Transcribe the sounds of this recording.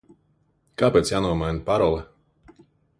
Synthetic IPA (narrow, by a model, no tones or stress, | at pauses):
kaːpɛt̪sjaːnuɔmajnapaɾɔlˠɛ